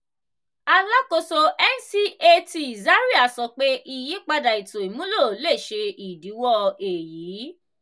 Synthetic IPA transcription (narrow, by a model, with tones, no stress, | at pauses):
a˧la˦ko˧so˧ɛ˦n˦si˦e˦˧ti˧i˨za˨˦ɾi˦a˨sɔ˧˦k͡pe˦ʔi˧ji˦k͡pa˧da˨i˨to˨i˨mũ˨˦lo˦˨le˦˨ʃe˧i˨di˨˦wɔ˦e˨jiː˨˦